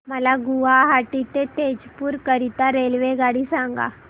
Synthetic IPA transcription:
məlaɡuʋaɦaʈit̪et̪ed͡ʑpuːɾkəɾit̪aɾelʋeɡaɽiːsãŋɡa̰

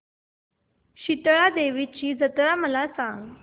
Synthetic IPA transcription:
ɕit̪ɭad̪eʋit͡ɕiːd͡zət̪ɾaməlasãŋɡ

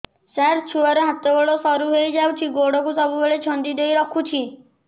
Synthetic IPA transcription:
saɾt͡ʃʰuɔɾeɦat̪ɔboɭosɔɾuɦejd͡ʒawt͡ʃʰiɡoɽɔkusɔbubeɭet͡ʃʰɔnd̪id̪ejɾɔkʰut͡ʃʰi

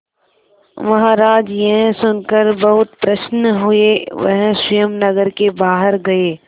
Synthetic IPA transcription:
mɐɦaːɾaːd͡ʒjɐɦsʊnkəɾbɐɦʊt̪pɾɐʃnɦʊeʋɐ̰ɦsʊjəmnɐɡəɾkebaːɦəɾɡɐeː

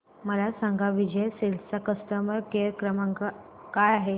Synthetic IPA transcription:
məlasãŋɡʱaʋid͡ʑʱəjsilsakəst̪əməɾkeɾkɾəmaŋɡa | kajaɦe

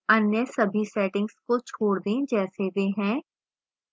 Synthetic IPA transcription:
ɐnjəsɐbʱisɛːʈɪ̃ŋɡskot͡ʃʰoːɽd̪ẽːd͡ʒɛːseʋeɦɛ̃ː

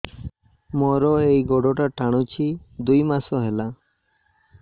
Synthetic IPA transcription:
mɔɾɔejɡɔɖɔʈaʈʰaɽ̃ut͡ʃʰid̪ujmasɔɦela

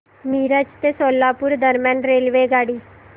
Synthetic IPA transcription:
miːɾət͡ʃt̪esoːlːaːpʊɾd̪əɾmjãːnɾeːlʋeːɡaːɽiː

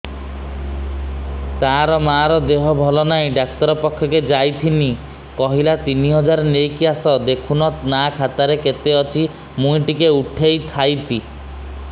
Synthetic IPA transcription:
t̪aɾɔmaɾɔd̪eɦɔbʱɔlɔnajɖak̚t̪ɔɾɔpɔkʰːjɔked͡ʒajt̪ʰini | kɔɦilat̪iniɦɔd͡ʒaɾnejkiasɔd̪ekʰunɔnakʰat̪aɾeket̪eɔt͡ʃʰi | mũjʈikeuʈʰejt̪ʰajt̪ʰi

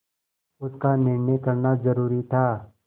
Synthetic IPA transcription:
ʊskanɪɾnekɐɾnazɐɾuːɾit̪ʰaː

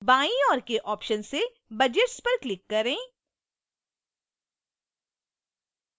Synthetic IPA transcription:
baːĩɔːɾkeʔɔːpʃənse | bɐd͡ʒeʈspɐɾklɪkːɐɾẽː

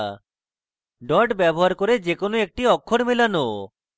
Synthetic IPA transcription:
ɖɔʈbɛbɔɦaɾkoɾed͡ʑekonoek̚ʈiɔkʰːoɽmilano

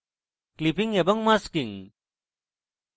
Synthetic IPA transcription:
klipiŋebɐŋmaskiŋ

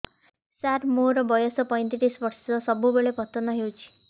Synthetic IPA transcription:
saɾmoɾɔbɔjɔsɔpɔjnt̪iʈisʋɔɾsɔsɔbʱubeɭepɔt̪ɔnɔɦewt͡ʃʰi̥

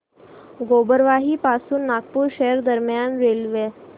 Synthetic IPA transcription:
ɡobəɾʋaɦiːpasuːnːak̚puːɾɕejəɾd̪əɾmjanɾelʋe

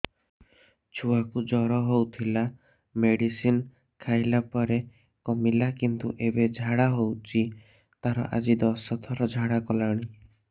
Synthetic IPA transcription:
t͡ʃʰuakud͡ʒɔɾɔɦowt̪ʰila | meɽisin | kʰajlapɔɾe | kɔmilakint̪uʔebed͡ʒʱaɽaɦowt͡ʃʰi | t̪aɾɔ̰ʔa̰d͡ʒid̪ɔsɔt̪ʰɔɾɔd͡ʒʱaɽakɔlaɽ̃i

